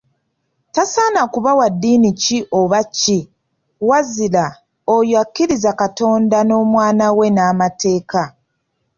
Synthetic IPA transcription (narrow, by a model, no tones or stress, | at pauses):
tasaːnakuβawadːiːniciʔo̞βacːi | wazila | ojoakːiɾizakato̞ːndano̞ːmwaːnawe̞naːmate̞ːka